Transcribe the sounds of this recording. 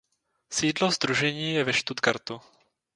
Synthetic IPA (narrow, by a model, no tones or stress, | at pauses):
siːdlozd̪ɾuʒɛɲiːjɛvɛʃt̪ut̪kaɾt̪u